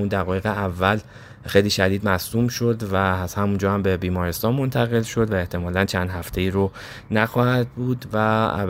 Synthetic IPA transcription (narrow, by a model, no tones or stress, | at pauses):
und̪æɣɒːje̞ɣeævːæl | xe̞jliːʃæd̪iːd̪mæsuːmʃod̪væhæmund͡ʒɒːhæmbe̞biːmɒːɾest̪ɒːnmont̪ʰæɣe̞lʃo̞d̪væe̞ht̪ʰe̞mɒːlænt͡ʃʰænd̪̥hæft̪ʰe̞iːɾo | næxɒːhæd̪̚buːd̪væ̰